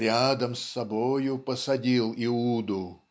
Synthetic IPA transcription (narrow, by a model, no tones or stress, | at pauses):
ɾʲad̪əmsːɐbojʊpəsɐdʲilˠɪud̪ʊ